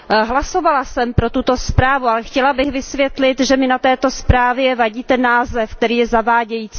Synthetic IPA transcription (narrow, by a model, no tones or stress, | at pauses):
ɦlaso̞valasɛmpɾo̞t̪ut̪o̞spɾaːvualɛxcɛlabɪxvɪsvjɛt̪lɪt̪ʒɛmɪnat̪ɛːt̪o̞spɾaːvjɛvaɟiːt̪ɛnːaːzɛfk̚t̪ɛɾiːjɛzavaːɟɛjiːt͡si